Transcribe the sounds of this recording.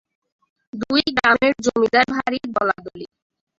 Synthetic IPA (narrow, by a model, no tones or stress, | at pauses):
d̪ujɡɾameɾd͡ʑomid̪aɾbʱaɾibɔlad̪oli